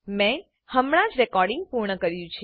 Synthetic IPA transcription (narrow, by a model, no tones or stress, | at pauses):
mɛ̃ | həmɽ̃ãd͡ʒɾɛkɔɾɖɪ̃ŋɡ̚puɾɳəkəɾjũt͡ʃʰ